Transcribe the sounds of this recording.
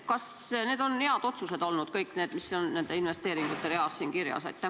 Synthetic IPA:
kɑsne̞ːd̪̥o̞nːe̞ɑd̪̥o̞t̪suse̞d̪o̞lnud̪̥kɤjkːˑne̞ːd̪misːonne̞nd̪einve̞st̪eːɾiŋɡ̥ut̪ːˑe̞ɾeɑssiːŋkiɾjɑ̰sɑ̰jt̪ːæ

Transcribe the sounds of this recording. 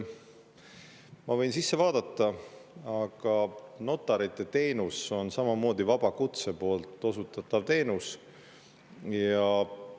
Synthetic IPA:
mɑvɤ̞jnsisːe̞vɑːd̪̥ɑt̪ːˑɑɑɡ̥ɑno̞t̪ːˑɑɾit̪ˑːe̞t̪e̞ːnuso̞nsɑmɑmo̞ːd̪̥ivɑb̥ɑkut̪se̞po̞ːlt̪ˑːo̞sut̪ːˑɑt̪ˑːɑvt̪e̞ːnus | jɑ

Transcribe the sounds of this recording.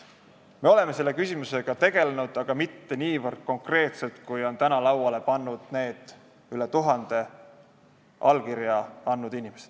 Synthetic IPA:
me̞o̞le̞me̞se̞lːe̞kysʲimuse̞ɡ̥ɑt̪e̞ɡ̥e̞lenud̪̥ɑɡ̥ɑmit̪ːe̞niːvɤrd̪̥̚ko̞ŋkre̞ːt̪se̞lt̪kujo̞nt̪ænɑlɑwɑle̞pɑnːud̪̥ne̞ːd̪̥ | yle̞t̪uɦɑnd̪̥e̞ | ʔɑ̰lkiɾjɑɑnːud̪̥inʲimese̥d̪̥

